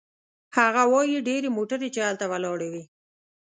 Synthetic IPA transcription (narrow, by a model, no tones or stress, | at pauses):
haɣawɑjiɖeɾemoʈaɾet͡ʃealt̪awalɑɽawi